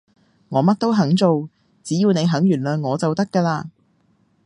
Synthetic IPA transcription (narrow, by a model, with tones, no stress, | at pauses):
ŋɔː˨˧mɐ˥t̚t̪o˥wɦɐ˨˥ŋt͡so˨w | t͡siː˨˥jiː˧wne˨˧jɦɐ˨˥ŋjyː˨˩nlœː˨ŋŋɔː˨˧t͡sɐ˨wt̪ɐ˥kːaː˧laː˧